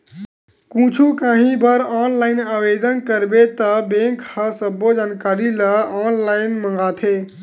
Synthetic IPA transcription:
kũt͡ʃʰukãɦĩbəɾɔnlaɪnawed̪ənkəɾbet̪əbẽŋkhəsəbːod͡ʒaːnkaɾiləɔnlaɪnmə̃ŋ̆ɡat̪ʰe

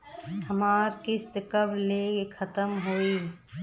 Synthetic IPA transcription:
həmaːɾkɪst̪kəblekʰət̪əmɦoːiː

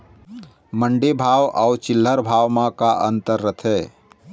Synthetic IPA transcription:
məɳɖebʱaːwʔɔt͡ʃɪlːəɾbʱaːwmãkaʔə̰nt̪əɾːət̪ʰɛː

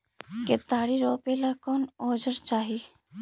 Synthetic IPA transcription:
ket̪aːɽiɾoːpelakɔːnoːd͡ʒəɾt͡ʃaːɦi

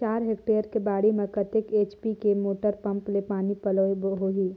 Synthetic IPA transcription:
t͡ʃaːɾɦek̚ʈeːɾkebaːɽimẽkɐt̪ɪkeːt͡ʃpikemoːʈəɾpɐ̃mplepaːnipɐlobɦoːɦiː

